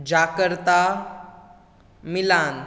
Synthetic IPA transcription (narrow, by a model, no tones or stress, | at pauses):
d͡ʑakəɾt̪a | milan